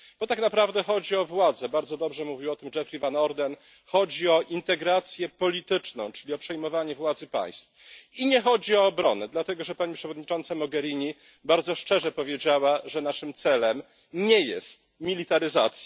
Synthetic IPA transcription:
b̥ɔt̪aknapɾavd̪ɛxɔd͡ʑiɔvwad̪zɛbaɾd̪zɔd̪ɔbʐɛmuvʲiwɔt̪ɘmʐɛfɾivanɔɾd̪ɛn | xɔd͡ʑiɔʔint̪ɛɡɾat̪sʲjɛpɔlʲit̪ɘt͡ʂnɔ̰̃w̃t͡ʂɘlʲiɔpʂɛjmɔvaɲɛvwad̪zɘpa̰j̃st̪fiɲɛxɔd͡ʑiɔːbɾɔnɛd̪lat̪ɛɡɔʐɛpaɲipʂɛvɔd̪ɲit͡ʂɔnt̪samɔɡɛɾʲiɲi | baɾd̪zɔʂt͡ʂɛʐɛpɔvʲjed͡ʑawaʐɛnaʂɘmt̪sɛlɛm | ɲɛjɛst̪̚mʲilʲit̪aɾɘzat̪sʲj

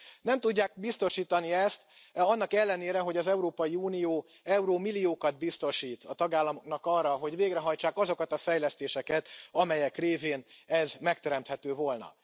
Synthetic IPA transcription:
nɛmt̪uɟːaːk̚bist̪o̞ʃiːt̪ɒniɛst̪ɒnːɒkɛlːɛneːɾɛɦo̞ɟɒzɛuɾoːpɒjiuːnijoː | ɛuɾoːmilijoːkɒd̪̚bist̪o̞ʃiːt̪ɒt̪ɒɡaːlːɒmo̞knɒkɒrːɒɦo̞ɟveːɡɾɛɦɒjt͡ʃaːkɒzo̞kɒt̪ɒfɛjlɛst̪eːʃɛkɛt̪ɒmɛjɛkreːveːnɛzmɛk̚t̪ɛɾɛmt̪hɛt̪øːvo̞lnɒ̰

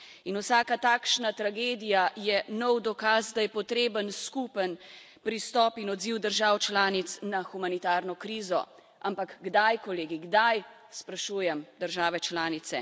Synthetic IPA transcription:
inuwsaːkat̪aːkʃnat̪ɾaɡeːd̪ijajɛnɔwd̪ɔkazd̪ajɛpɔt̪ɾeːbənskupən | pɾist̪ɔːpinɔd̪ziwd̪əɾʒawt͡ʃlaːnit̪snaxumanit̪aːɾnɔkɾiːzɔ̰ | ʔampakɡd̪ajkɔleːɡiɡd̪aj | spɾaʃuːjɛmd̪əɾʒaːʋɛt͡ʃlaːnit̪sɛ

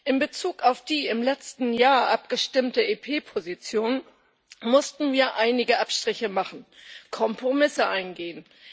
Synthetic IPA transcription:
ʔɪmbət͡suːkaʊfd̥iːɪmlɛt͡stn̩jaːɐʔapɡ̥əʃtɪmtəeːpʰeːpʰozit͡sjoːn | mʊstn̩viːɐʔaɪnɪɡəʔapʃtʁ̥ɪçəmaχn̩kʰɔmpʁ̥omɪsəʔaɪnɡeːən

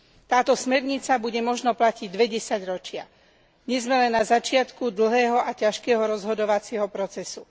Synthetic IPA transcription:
t̪aːt̪ɔsmɛɾɲit͡sabuɟɛmɔʒnɔplaciɟd̪ʋɛɟɛsaɟɾɔt͡ʃɪa | ɲɛzmɛlɛnːazat͡ʃɪat̪kud̪l̩ɦɛːɦɔʔacaʃkɛːɦɔɾɔzɦɔd̪ɔʋat͡sɪɛɦɔpɾɔt͡sɛsu

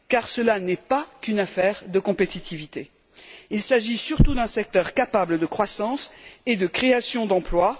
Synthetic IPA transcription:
kaʁsəlanɛpakynafɛʁd̪əkɔ̃pet̪it̪ʰivit̪e | ilsaʒisyʁt̪ud̪ɛ̃sɛk̚t̪œʁkapabləd̪əkχwasɑ̃sed̪əkχeasjɔ̃d̪ɑ̃plwa

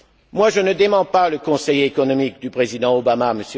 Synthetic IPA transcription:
mwaʒənəd̪emɑ̃paləkɔ̃sɛjekɔnɔmik̚d̪ypχezid̪ɑ̃obamaməs

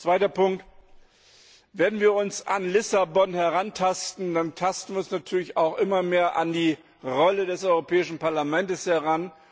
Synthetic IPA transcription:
t͡sv̥aɪtɐpʰʊŋkt | veːɛɐdn̩viːɐʊnsanlɪsabɔnhɛʁantʰastn̩dantʰastn̩viɐʊnsnatʰyːɐlɪçaʊxʔɪmɐmeːɐʔandiː | ʁɔlədɛsʔɔʏʁopʰɛːɪʃn̩paɐlamɛntəshɛʁan

